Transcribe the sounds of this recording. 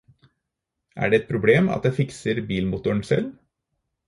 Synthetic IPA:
ʔæ̰ːɖeːɛt̪̚pʰɾʊbleːmɑ̰t̪̚d̪æfɪksəɾbiːlmʊt̪ʊəɳsɛ̰l

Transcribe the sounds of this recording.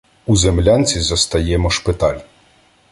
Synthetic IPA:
uzemlʲant͡sʲizɐst̪ɐjɛmɔʃpɪt̪ɑlʲ

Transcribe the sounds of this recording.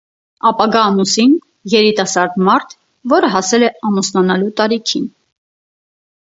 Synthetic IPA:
ɑpɑɡɑːmusin | jɛɾit̪ɑsɑɾd̪mɑɾt̪ʰ | vɔɾəɦɑsɛlɛɑmusnɑnɑlut̪ɑɾikʰin

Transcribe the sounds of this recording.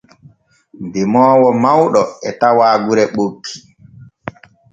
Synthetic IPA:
demɔːwɔmawɗɔɛtawaːɡuɾɛɓokʰːi̥

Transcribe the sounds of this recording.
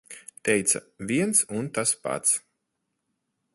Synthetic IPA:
t̪ɛjt̪sɐ̰ | vʲiɛnsunt̪aspa̰t̪s

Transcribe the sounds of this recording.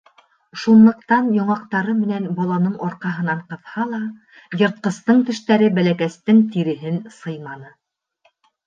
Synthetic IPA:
ʃunlˠɤ̆qt̪ɑnjɑɴɑqt̪ɑɾɤmɘ̆nænbɒlˠɑnɤɴʔɒɾqɑɦɤ̆nɑɴqɤ̆ðhɑlˠɑ | jɤ̆ɾt̪̚qɤ̆st̪ɤɴt̪ɘ̆ʃt̪æɾɘbælækæst̪ɘŋt̪iɾɘ̆ɦɘnsɤjmɑnɤ

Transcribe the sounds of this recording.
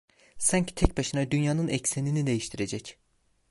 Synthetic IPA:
sancʰi̥t̪ʰɛc̚baʃɯnad̪ynjaːnɯnɛcseninid̪e̞jiʃt̪ʰiɾe̞d͡ʒɛc

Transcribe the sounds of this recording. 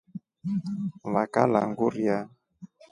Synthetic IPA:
βakalaŋɡuɾja

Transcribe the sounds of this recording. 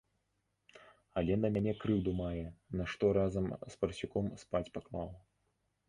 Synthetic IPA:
ɐlʲɛnɐmʲanʲɛkɾɨwd̪umajɛnɐʂt̪ɔɾazɐmspɐrsʲikɔmspat͡sʲpaklˠaw

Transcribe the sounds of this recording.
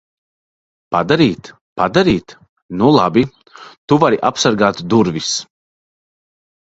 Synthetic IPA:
pad̪aɾiːt̪ | pad̪aɾiːt̪ | nulˠabi | t̪uvaɾiʔapsaɾɡaːt̪d̪uɾvis

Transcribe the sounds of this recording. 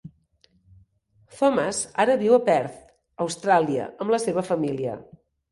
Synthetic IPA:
fɔməzaɾəβiwəpɛɾt̪ | əwst̪ɾaliə̰əmləseβ̞əfəmiliə̰

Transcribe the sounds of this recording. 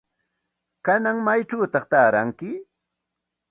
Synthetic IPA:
kanaŋmajʈ͡ʂawt̪ɑχt̪aːɾa̰ŋkɪ

